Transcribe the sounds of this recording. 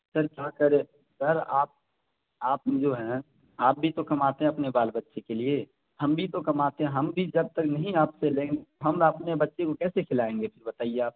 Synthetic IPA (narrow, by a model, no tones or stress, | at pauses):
səɾkjaːkəɾẽː | sɐɾaːp̚ | aːp̚d͡ʒoːɦɛ̃ | aːp̚bʱit̪okɐmaːt̪eɦɛ̃ɐpnebaːlbətːʃekelie | hɐmbʱit̪okɐmaːt̪eɦɛ̃ɦɐmbʱid͡ʒɐb̚t̪əknɐɦĩaːpselẽːŋɡet̪oɦɐmɐpnebɐtːʃekokɛːsekʰɪlaːẽːŋɡepʰɪɾbɐt̪aːieaːp̚